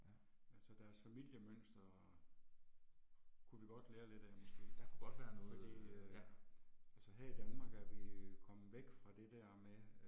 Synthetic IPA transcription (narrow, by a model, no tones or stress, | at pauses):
ælsəd̥æɐsfæmil̰jəmøn̰sd̥ɐ | kʰuʋiɡ̥ɒ̽d̥leːɐle̝d̥æɐmɔ̽sɡ̥e̝̰ːd̥ɑkʰuɡ̥ɒ̽d̥ʋæːɐnnɔ̽fðɒdḭː | ælsəɦæɐ̰id̥ænmɑ̈ːɡ̥æɐʋikʰɒ̽məʋeɡ̥fʁɑ̈d̥e̝d̥æɐ̰me